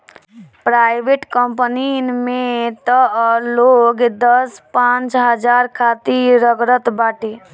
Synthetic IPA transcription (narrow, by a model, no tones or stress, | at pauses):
pɾajbeʈkəmpninmet̪əloɡd̪əspãnt͡ʃɦəd͡ʒaɾkʰat̪iɾəɡɾət̪baʈe